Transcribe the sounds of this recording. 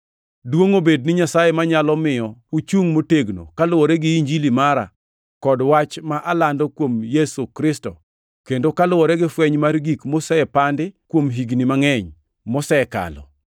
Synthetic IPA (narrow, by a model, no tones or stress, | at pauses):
dwoŋobed̚nɪɲasajemaɲalɔmɪjɔut͡ʃuŋmoteɡno̰kalʊwɔɾɛɡɪiɲd͡ʒilimaɾa̰ | kɔdwat͡ʃmaʔalandɔkwomjesukɾɪstɔ | kendokalʊwɔɾɛɡɪfwɛɲmarɡikmosɛɛpandɪkwomɦiɡnɪmaŋɛɲ | mɔsɛɛka̰lɔ̰